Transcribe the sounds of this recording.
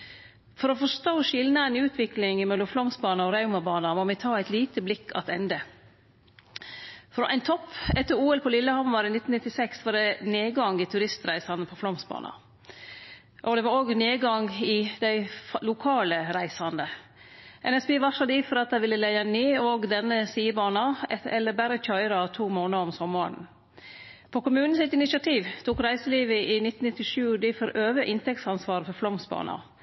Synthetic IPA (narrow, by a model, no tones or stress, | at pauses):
fɔɾɔfɔʂt̪oːʃɪlnəæɪnʉːt̪ʰʋɪklɪŋmɛlːɔmflɔmsbɑːnɑɔɾɑʉmɑbɑːnɑmɔmɛt̪ʰɑːæɪt̪liːt̪əblɪkʰːɑ̰t̪ɛnd̪ə | fɾɔʔæ̰ɪnt̪ʰɔpːɛt̪ːəɾuːɛlpʰɔlɪlːəhɑmːɑɾɪnɪt̪ːnɪt̪ːɪsɛksʋɑɖɛneːɡɑŋːɪt̪ʰʉɾɪst̪ɾæɪsɑnəpʰɔflɔmsbɑ̰ːnʔɑ̰ | ʔɔd̪ɛʋɑɾoːɡneːɡɑŋɪd̪æɪlʊkʰɑːləɾæɪsɑnd̪ə | ʔɛnɛsbeːʋɑʂɑd̪iːfɔɾɑt̪̚d̪æɪʋɪlːəlɛɪɛnːyːɔɡd̪ɛnːəsiːəbɑːnɑɛɛlːəɾbæɾəc͡çɑɪɾɑt̪ʰuːmoːnəɔmsɔmɑɳ̩ | pʰɔkʊmʉːnn̩sɪt̪ɪnɪʃɪɑt̪ʰiːʋt̪ʰuːkɾæɪsəliːʋəʔɪnɪt̪ːn̩nɪt̪ːɪʂʉːd̪ɪfɔɾʔøːʋəʔɪnt̪ɛk̚t̪sɑnsʋɑːɾəfɔɾflɔmsbɑ̰ːnɑ̰